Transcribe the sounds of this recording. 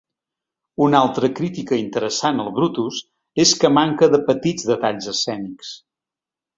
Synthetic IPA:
unalˠt̪ɾəkɾit̪ikəint̪əɾəsanəlˠβɾut̪us | eskəmaŋkəðəpət̪id͡zðət̪aʎzəsɛniks

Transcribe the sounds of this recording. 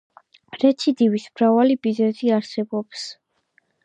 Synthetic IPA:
ɾɛt̪sʰid̪ivismɾavalibizɛziaɾsɛbɔps

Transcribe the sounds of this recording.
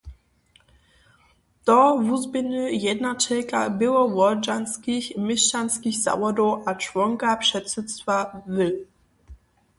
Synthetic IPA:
t̪ɔvuzbɘnɘjɛd̪nat͡ʂɛlka̰bɘwɔvɔd͡ʒanskʲixmiʂanskʲixza̰vɔd̪uwʔat͡ʂvɔŋkapʂɛt̪sut̪st̪favɘ

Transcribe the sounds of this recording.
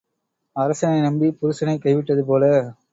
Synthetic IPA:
ɐɾɐsɐnɐɪnɐmbipʊɾɯsɐnɐɪkːɐɪʋɪʈːɐðɯp̬oːlɐ

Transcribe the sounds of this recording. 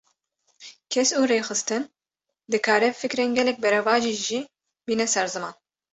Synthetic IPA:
kʰɛsuːɾeːxɨst̪ɨn | d̪ɨkʰaːɾɛfɨkɾeːnɡʲɛlɛk̚bɛɾɛvɑːʒiːʒi | biːnɛsɛɾzɨmɑːn

